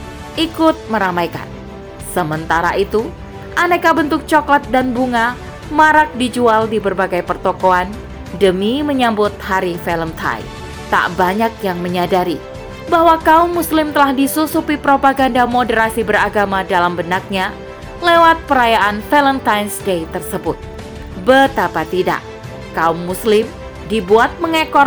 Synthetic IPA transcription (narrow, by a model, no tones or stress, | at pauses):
ʔikʊt̪̚məɾamajka̰n | səmənt̪aɾa̰ʔit̪u | ʔanakabənt̪ʊk̚t͡ʃɔklat̪̚danbuŋa | maɾak̚did͡ʒualdibərbaɡajpərt̪okoan | dəmiməɲambʊt̪̚haɾifɛləmt̪ʰa̰jn | t̪a̰ʔbaɲak̚jaŋməɲadaɾi | baɦwakaʊmːuslɪmt̪əlahdisusupipɾopaɡandamodəɾasibəɾaɡamadalambənak̚ɲa | lewat̪̚pəɾajaʔanfɛlənt̪ajnsdejt̪ərsəbʊt̪̚ | bət̪apat̪ida̰ʔ | kaumːuslɪm | dibuat̪̚məŋekɔ